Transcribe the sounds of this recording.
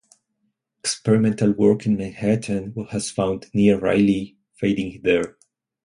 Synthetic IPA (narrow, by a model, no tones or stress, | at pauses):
ɛkspɛɹɪmɛ̃ntalwɜ˞kɪ̃nmæ̃nhætʰə̃nwhæz̥fãʊ̃ndniɹɹa̰ɪli | feɪɾɪ̃ŋðəɹ